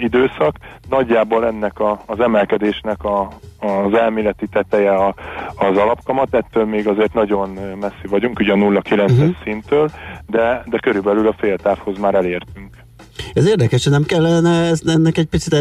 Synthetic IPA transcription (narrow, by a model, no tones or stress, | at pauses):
id̪øːsɒknɒɟːaːbolɛnːɛkɒːzɛmɛlkɛd̪eːʃnɛkɒː | zɛlmeːlɛt̪it̪ɛt̪ɛjɛɒːzɒlɒpkɒmɒt̪ɛt̪ːøːlmeːɡɒzeːrt̪nɒɟo̞nmɛsːivɒɟuŋkuɟɒnulːɒkilɛnsɦɛʃsint̪øːld̪ɛd̪ɛkø̞ɾybɛlylɒfeːlt̪aːfho̞zmaːɾɛleːrt̪yŋk | ɛzeːrd̪ɛkɛʃɒnɛmkɛlːɛnɛɛznɛnːɛkɛc̚pit̪sit̪ɛ